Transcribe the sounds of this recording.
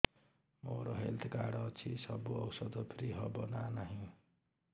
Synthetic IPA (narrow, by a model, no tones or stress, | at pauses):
moɾoɦelt̪ʰɡaɽʌt͡sʰisʌbuʌwsʌd̪ʌpʰɾiɦʌbʌnanaɦĩ